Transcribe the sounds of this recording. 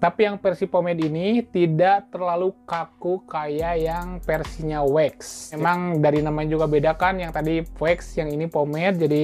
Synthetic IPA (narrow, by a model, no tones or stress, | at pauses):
t̪apijaŋpɛrsipomɛt̪init̪idaʔt̪ərlalukakukajajaŋpɛrsiɲawɛksemaŋdaɾinamaɲad͡ʒuɡabedakanjaŋt̪adiwɛksjaŋinipomɛt̪̚d͡ʒadi